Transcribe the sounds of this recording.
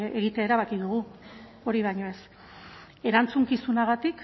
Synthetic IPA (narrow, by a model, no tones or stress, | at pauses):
e̞ɣit̪eaeɾaβakiðuɣ̞u | o̞ɾiβajɲo̞e̞s | e̞ɾant͡suŋkisunaɣat̪ik